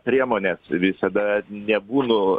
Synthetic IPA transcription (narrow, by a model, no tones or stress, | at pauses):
pʲɾʲiɛmoːnʲeːsʋʲɪsɐd̪ɐnʲɛbuːnʊ